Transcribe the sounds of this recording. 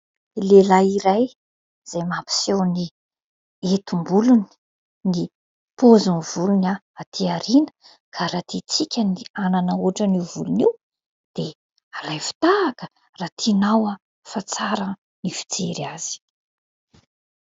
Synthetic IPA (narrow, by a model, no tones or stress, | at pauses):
lelaiɾaj | z̥ajmapi̥sewni | et̪umbuluni̥ | ni | pozuniv̥uluna | at̪ʰiaɾinə̥ | kʰaɾat̪it͡sikʲəniananəuʈ͡ʂənivuluniw | d̪̥e | alajfi̥t̪aːkə̥ | rat̪ʰinawa | fat͡saɾə | nifi̥t͡seɾaz̥i̥